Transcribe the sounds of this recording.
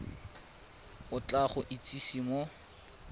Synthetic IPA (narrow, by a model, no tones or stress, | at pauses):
ʊt͡ɬʼaχʊʔit͡sʼisimɔ